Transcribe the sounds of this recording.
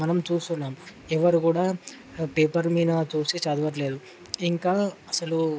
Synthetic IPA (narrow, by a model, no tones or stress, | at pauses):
mɐnɐmt͡ʃuːst̪unːaːmɛʋɐɾikuːɽaː | peːpɐɾmiːnɐt͡ʃuːsit͡ʃɐːd̪uʋɐʈ̬le̞ːd̪u | iŋkaːɐsɐlu